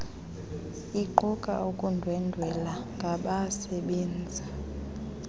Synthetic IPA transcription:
iǃukʼa̰ukʼundʱwɛndʱwɛlaŋɡʱaɓasɛɓeːnd͡zʱi

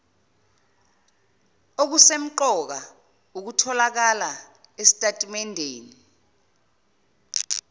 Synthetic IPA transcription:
ok̬usem̩ǃɔk̬a | uk̬utʰɔlak̬ala | esi̥tʼatʼimɛndʱeːni

